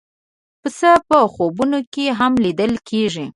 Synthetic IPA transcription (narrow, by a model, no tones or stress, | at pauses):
pəsəpəxobunokeɦamlid̪əlkʰeʐi